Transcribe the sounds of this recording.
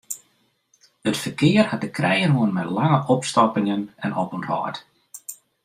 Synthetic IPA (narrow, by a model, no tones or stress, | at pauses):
ətfərkɪərhat̚dəkrʔɛjənoənmɛtlaŋəʔɔpstɔpɪŋənɛnɔpənrɔ̰ːt